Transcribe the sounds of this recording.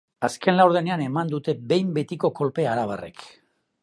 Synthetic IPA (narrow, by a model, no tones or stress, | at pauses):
aske̞nlawɾð̞e̞ne̞ane̞mand̪ut̪e̞be̞jmbe̞t̪iko̞ko̞lpe̞aɾaβ̞are̞̰k